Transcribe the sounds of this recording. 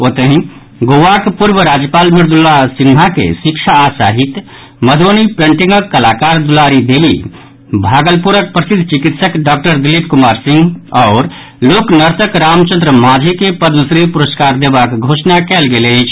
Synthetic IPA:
ot̪əɦĩ | ɡoʋakpuɾbəɾaːd͡ʒjəpaːlmɪɾd̪ulːasinmakḛsikʃʰaːsaɦit̪ | məd̪ʱoːnipẽɳʈĩŋɡəkːəlaːkaːɾd̪ulaːɾid̪eːlḭ | bʱaːɡəlpuɾək̚pɾəsɪd̪ʱt͡ʃikit̪səkɖaːk̚ʈəɾd̪ɪlipkumaːɾsɪ̃ŋɡɔːɾ | loːknəɾt̪əkɾaːmt͡ʃə̃nd̪ɾəmaːd͡ʒʱikepəd̪məsɾipuɾəskaːɾd̪eːbakɡʱoːsnakɛlɡelet͡ʃʰ

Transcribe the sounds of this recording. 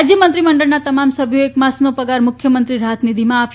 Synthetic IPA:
d͡ʒjəmənt̪ɾiməɳɖəɭnat̪əmamsəbʱjoekmasnopəɡaɾmʊkʰjəmənt̪ɾiɾaət̪ʰnid̪imãːp

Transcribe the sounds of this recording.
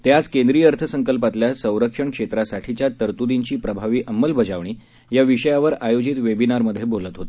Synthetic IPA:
t̪jat͡skẽnd̪ɾijəəɾt̪ʰəsəŋkəlpat̪ljasə̃w̃ɾəkʂəɳkʂet̪ɾasaʈʰit͡ɕjat̪əɾt̪ud̪iɲt͡ɕiːpɾəbʱaʋiːʔəmːəlbəd͡zaʋɳ̃iː | jaʋiʂəjaʋəɾajod͡ʑit̪ʋebinaɾməd̪ʱːjebʱolət̪ɦot̪e̥

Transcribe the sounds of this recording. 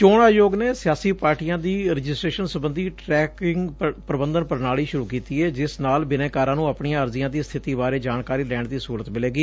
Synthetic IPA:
t͡ʃoːɳaːjoːɡneːsɪjaːsiːpaːɾʈijãːd̪iːɾɪd͡ʒɪsʈɾeːʃənsəbənd̪ʱiːʈɾɛːkɪŋɡpɾəbənd̪ənpəɾnaːɭiːʃʊɾuːkiːt̪iːɛːd͡ʒɪsnaːlbɪnɛ̃ːkaːɾãːnũːəpɳijãːəɾzɪjãːd̪iːst̪ʰɪt̪iːbaːɾeːd͡ʒaːɳkaːɾiːlɛːɳd̪iːsuːɾət̪mɪleːɡiː

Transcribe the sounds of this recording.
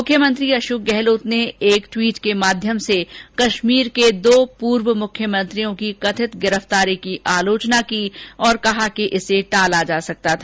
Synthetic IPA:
mʊkʰjəmə̃nt̪ɾiɐʃuk̚ɡɛɦloːt̪neeːkʈwiːʈkemaːd̪ʱjəmsekɐʃmiːɾked̪oːpuːɾwəmʊkʰjəmɐ̃nt̪ɾijõkikɐt̪ʰɪt̪ɡɪɾəft̪aːɾikiʔaːloːt͡ʃnakiːɔːɾkɐɦakeʔɪseʈaːlad͡ʒaːsɐk̚t̪at̪ʰaː

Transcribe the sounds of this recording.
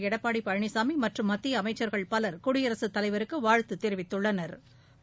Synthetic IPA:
ɛɽɐpːaːɽipɐɻɳisaːmimɐʈrɯmːɐt̪ːɪjɐːmɐɪt͡ʃːɐɾɣɐɭpɐlɐɾkʊɽɪjɐɾɐsɯt̪ːɐlɐɪʋɐɾɯkːɯʋaːɻt̪ːɯt̪ːɛɾɪʋɪt̪ːɯɭːɐnɐɾ

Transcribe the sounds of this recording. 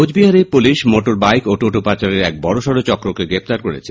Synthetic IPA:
od͡ʑbiɦaɾepuliʃmoʈoɾbajkoʈoʈopat͡ɕaɾeɾɛk̚bɔɽoʃɔɾot͡ɕɔkɾokeɡɾep̚t̪aɾkoɾḛt͡ɕʰe

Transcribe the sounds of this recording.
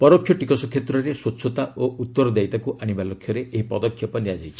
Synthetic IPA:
pɔɾɔkʰjɔʈikɔsɔkʰjet̪ɾɔɾeswotːʃʰɔt̪aoʔut̪ːɔɾɔd̪ajt̪akuʔaɽ̃ibalokʰjɔɾeʔeɦipɔd̪ɔkʰjɔpɔniad͡ʒajt͡ʃʰi̥

